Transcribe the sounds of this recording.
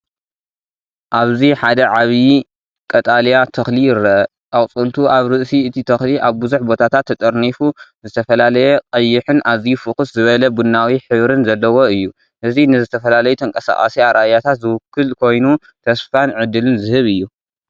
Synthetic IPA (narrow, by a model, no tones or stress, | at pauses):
ʔaβziħad̪ɐʕaβi | kʼɐt̪ʼaljat̪ʰɐxlijɪɾɐ | awʼt͡sʼɨlt̪ʰuʔaβɾɨʔsiɨt̪ʰit̪ʰɐxliʔaβbɨzuħbo̞t̪ʰat̪ʰat̪ʰːɐt̪ʼɐɾnifuzɨt̪ʰɐfɐlalɐjɛqʼɐjːɪħɨnʔaβzifɨkɨszɨβɐlɐbunːawiħɨβɾɨnzɐlːɐwo̞ɨjːu | ʔɨzinɨzɨt̪ʰɐfɐlalɐjut̪ʰɐŋkʼɐsa̰χʼa̰siaɾʔajat̪ʰat̪zɨwʊkːɨlkʰo̞jnu | t̪ʰɐsfanʕɨd̪ːɨlɨnzɨhɨβɨjːu